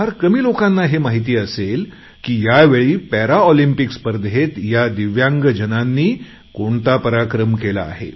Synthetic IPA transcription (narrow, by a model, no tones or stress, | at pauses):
aɾkəmiːlokanːaɦemaɦit̪̬iːəsel | kiːjaʋeɭiːpɛɾaɔlimpikspəɾd̪ɦet̪jad̪iʋjãŋɡəd͡ʑənanːiː | koɳt̪apəɾakɾəmkela̰ːɦḛ